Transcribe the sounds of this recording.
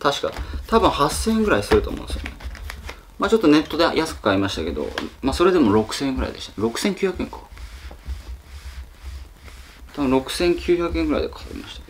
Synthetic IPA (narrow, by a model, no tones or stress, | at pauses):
t̪aɕi̥ka̰t̪abɯ̟̃ɰ̃hasːẽ̞ŋɡɯ̟ɾaisɨɾɯt̪oːmõnsɨjo̰ne | maːt͡ɕo̞t̪ːo̞ne̞t̪ːo̞d̪ejʔasɨ̥kɯ̟̥kaimaɕi̥t̪ake̞d̪o̞̰maso̞ɾe̞d̪e̞mo̞ɾo̞kɯ̟̥sẽ̞ŋɡɯ̟ɾa̰ḭd̪eɕt̪ḁɾo̞kɯ̟̥sẽŋkʲɨ̟çjakɯ̟ẽ̞ŋkḁ | t̪ʰabɯ̟̃ɾo̞kɯ̟̥sẽ̞ŋkʲɨːçakɯ̟ẽŋɡɯ̟ɾa̰id̪ekʰḁaḭma̰ɕi̥t̪ḁke